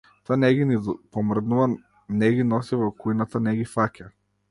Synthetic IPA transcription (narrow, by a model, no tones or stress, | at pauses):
t̪ɔanɛɡinipɔmr̩d̪nuva | nɛɡinɔsivɔkujnat̪anɛɡifaca